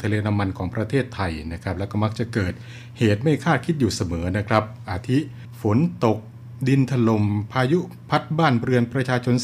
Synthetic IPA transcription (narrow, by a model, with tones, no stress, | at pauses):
t̪ʰa˧leː˧nʰa˧mːa˧nkʰɔː˩˦ŋpɾa˧t̪ʰeː˥˩t̪ʰːa˧jna˦˥kʰa˦˥p̚lɛ˦˥wkɔː˥˩ma˦˥k̚t͡ɕa˨˩kɤː˨˩t̪̚ | heː˨˩t̪̚ma˥˩jkʰaː˥˩t̪̚kʰi˦˥t̪̚juː˨˩sa˧mɤː˩˦na˦˥kʰɾa˦˥p̚ʔaː˧t̪ʰi˦˥ʔ | fo˩˦nt̪o˨˩k̚ | di˧nt̪ʰa˧lo˧˩mpʰaː˧ju˦˥ | pʰa˦˥t̪̚baː˥˩nɾɯ˧ənpɾa˧t͡ɕʰaː˧t͡ɕʰo˧n